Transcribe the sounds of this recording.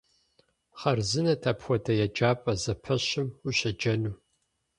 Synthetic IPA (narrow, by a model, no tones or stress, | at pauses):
χɐrzɨnɐtʰapxʷɔtʰɐjɛd͡ʒaːpʼɐzɐpʰɐɕɪmuɕɐd͡ʒɐnuː